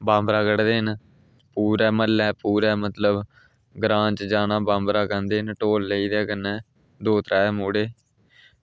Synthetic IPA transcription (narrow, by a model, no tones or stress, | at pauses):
bãːmbɾaːkəɽd̪eːɦn | puːɾɛːməlːɛːpuːɾɛːmət̪ləb | ɡɾãːt͡ʃd͡ʒaːnaːbãːmbɾaːkənd̪eːnʈoːlːeiːd̪ɛːkənɛː | d̪oːt̪ɾaːɛːmuːɽeː